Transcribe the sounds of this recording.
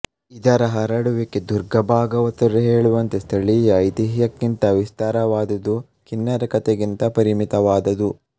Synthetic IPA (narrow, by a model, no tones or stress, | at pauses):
id̪ɐɾɐɦɐɾɐɽuʋiked̪uɾɡɐbʱaːɡɐʋɐt̪ɐɾeɦeːɭuʋɐnt̪est̪ʰɐɭijɐjt̪iɦjɐkːint̪ɐʋist̪aːɾɐʋaːd̪ɐd̪u | kinːɐɾɐkɐt̪eɡint̪ɐpɐɾimit̪ɐʋaːd̪ɐd̪u